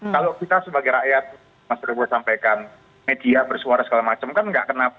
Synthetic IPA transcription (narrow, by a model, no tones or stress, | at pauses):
kalokit̪asəbaɡajɾaʔjat̪̚ | masiɾubusampajkan | med̪̥iabərsuaɾasə̥kalamat͡ʃəmkanŋɡaʔkəna